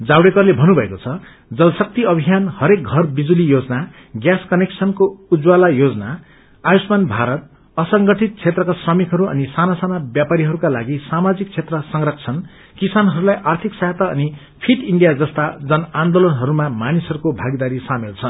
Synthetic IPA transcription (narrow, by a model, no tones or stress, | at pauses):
d͡zawɽekʌrlebʱʌnubʱʌekot͡sʰʌ | d͡zʌlsʌk̚t̪iʌbʱijanhʌɾek̚ɡʱʌrbid͡zulijod͡zʌna | ɡjaskʌneksʰʌnkoud͡zwalajod͡zʌna | ajusmanbʱaɾʌt̪̚ | ʌsʌŋɡʌʈʰit̪̚t͡sʰet̪rʌkasrʌmikɦʌɾuʌ̰nisanasanabjapaɾiɦʌɾukalaɡisamad͡zik̚t͡sʰet̪rʌsʌŋrʌkʰt͡sʰʌn | kisanɦʌɾulajʔart̪ʰiksʌjat̪ʌʌ̰ni | pʰiʈiɳɖijad͡zʌst̪ad͡zʌnand̪olʌnɦʌɾumamanisʌɾukobʱaɡid̪aɾisamelt͡sʰʌn